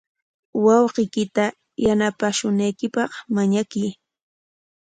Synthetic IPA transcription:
wɑwqɪjkɪt̪a | janapaʃʊnajkɪpɑχmaɲakɪj

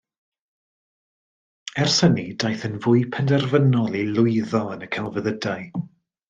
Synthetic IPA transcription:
ɛrsənidajθənvʊːɨpʰɛndɛrvənɔlˠilʊɨðɔənəkʰɛlˠvəðədaɨ

